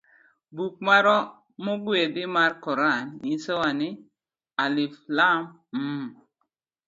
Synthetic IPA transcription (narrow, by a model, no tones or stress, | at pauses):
buk̚maɾɔ | muɡwedimaɾkɔɾanisəwani | aliflam | m̩